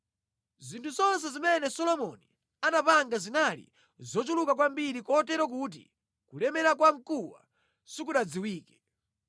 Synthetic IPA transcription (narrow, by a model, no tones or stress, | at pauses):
zintʰuzɔns̬ɛzimɛnɛsɔlɔmɔni | anapaŋɡazinalḭ | zɔt͡ʃulukakwambiɾikɔtɛɾɔk̬ut̬ḭ | kulɛmɛɾakwaŋ̩kuwa̰ | sik̬uɗad͡ziwiːkɛ̥